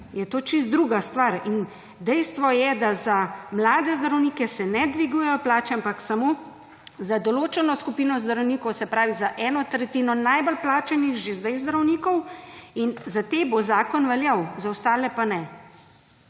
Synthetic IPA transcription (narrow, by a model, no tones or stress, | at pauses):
jɛt̪oːt͡ʃist̪d̪ɾuːɡast̪ʋaɾin | d̪ɛjst̪ʋɔjɛd̪azamlaːd̪ɛzd̪ɾawniːkɛsɛnɛd̪ʋiɡuːjɛjɔplaːt͡ʃɛampaksamoː | zad̪ɔloːt͡ʃɛnɔskupiːnɔzd̪ɾɐwniːkɔwsɛpɾaːʋizaʔɛːnɔt̪ɾɛt̪iːnɔnajbəlplaːt͡ʃɛnixʒezd̪ajzd̪ɾɐwniːkɔwinzat̪ebozaːkɔnʋɛljawzawst̪aːlɛpanɛ